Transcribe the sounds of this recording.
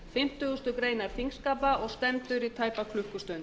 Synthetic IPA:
fɪm̥t̪ʏɣʏst̪ʏkɾeːjnaɾ̥θiŋskaːpaɔɣst̪ɛmt̪ʏɾit̪ʰaːjpakʰlʏhkʏst̪œn

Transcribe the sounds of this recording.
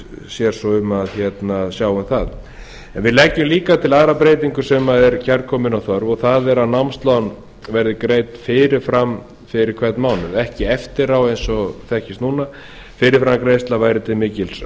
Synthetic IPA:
sjɛɾ̥sɔʏmaðçjɛt̪nasjaːwʏmθað | ɛnvɪðlɛcːʏmliːkat̪ʰɪlaːɾapɾeːjt̪iŋkʏ̥sɛmaðɛɾcʰɛɾkʰɔːmɪnawθœɾvɔɣθaðɛɾaðnawmst̪lan | vɛɾðɪkɾeːjt̪fɪɾɪɾ̥fɾam | fɪɾɪɾkʰvɛt̪nmaːwnʏɾɛhcɪɛft̪ɪɾawejnsɔθɛhcɪst̪nuːna | fɪɾɪɾfɾamkɾejst̪lavaːjɾɪt̪ʰɪlmɪːcɪls

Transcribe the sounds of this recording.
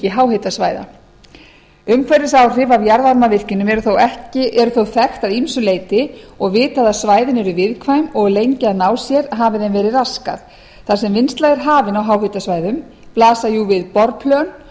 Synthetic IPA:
ɪɦawhet̪asvaːjða̰ | ʏmkʰvɛɾɪsaːwr̥ɪvawjaɾðaɾmavɪr̥cɪnʏmɛɾʏθowɛhcɪʔɛɾʏθowθɛxt̪aðimsʏleːjt̪ɪɔɣvɪːt̪aðaðsvaːjðɪnɛɾʏvɪðkʰvajmɔɣlejɲcɪaðnaːwsjɛɾɦaːvɪðɛnvɛːɾɪðraska̰ð | θḁsɛmvɪnst̪lajðɛɾ̥ɦaːvɪnawɦawɦɪt̪asvaːjðʏm | plaːsajuvɪðpɔɾpʰlœn

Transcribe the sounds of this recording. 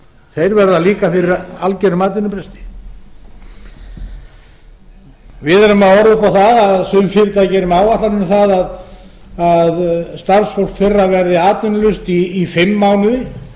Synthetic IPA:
θejɾvɛɾðaliːkafɪɾɪɾalcɛɾʏmaːt̪ɪnʏpɾɛst̪ɪ̥ | vɪðaɾʏmaðɔɾðʏpawθaðaðsʏmfɪɾt̪acɛɾʏmaːwaht̪lannθaðað | aðst̪ar̥sfowl̥k̪fɪrːavɛɾðɪaːt̪ʏnʏlʏst̪iːfɪmːawnɪðɪ

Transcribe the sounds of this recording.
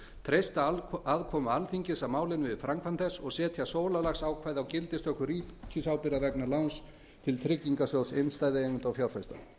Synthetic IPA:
t̪ʰɾejst̪aðkʰɔːmalθiɲcɪsamaːwlɪnvɪðfɾaŋkʰvant̪θɛsːɔɣsɛːt̪ʰjasoːwlalaxsaːwkʰvaːjðawcɪlt̪ɪst̪œhkʏriːcʰisawpɪɾavɛknalawns | t̪ʰɪlt̪ʰɾɪcːiŋkasjowsejnst̪aːjðɪejŋʏnt̪awfjawɾ̥fajst̪a̰

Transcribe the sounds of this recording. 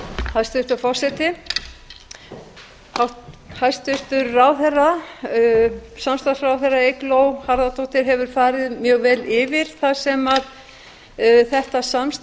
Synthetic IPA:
hajst̪ʏr̥t̪afɔr̥sɛt̪ɪ | ahajst̪ʏr̥t̪ʏɾːaːwθɛrːa | samst̪asrawθɛrːaejklowhaɾðat̪ʰowht̪ɪɾɦɛvʏɾ̥faːɾɪðmjœːɣvɛːlɪvɪɾ̥θasɛmað | θɛht̪asams

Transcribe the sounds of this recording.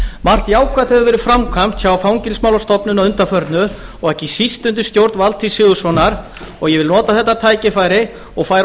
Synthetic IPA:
mar̥t̪jaːwkʰvat̪hɛðʏvɛːɾʏfɾamkʰam̥t̪çawafawɲcɪlsmawlɔst̪ɔpnʏnaðʏnt̪afœɾt̪nʏɔɣɛhcɪsist̪ʏnt̪̬ʏst̪jowɾt̪valt̪ʰisɪɣʏsvɔnaɾ̥ | ɔɣjɛvɪlnɔːt̪aθɛht̪ːat̪ʰaːjcɪfaːjɾɪ | ɔɣfaːjɾ

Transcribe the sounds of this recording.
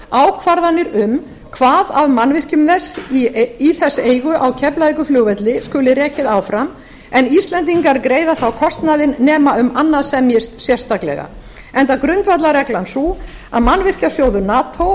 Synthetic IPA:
aːwkʰvaɾðanːɪɾʏm | kʰvaːðavmanvɪr̥cʏmðɛsːiθɛsːeːjɣʏʔawcʰɛplaðikʏflʏːɣvɛt̪lɪskʏːlɪɾɛːcɪðaːwfɾam | ɛnist̪lɛnt̪̬iŋkaɾkɾeːjðaθawkʰɔst̪naðɪnːɛːmaʏmanːaðsɛmjɪst̪sjɛr̥st̪aklɛ̰ɣa̰ | ɛnt̪akɾʏnt̪vat̪laɾɛklansuaðmanvɪr̥casjoːwðʏnaːt̪ʰow

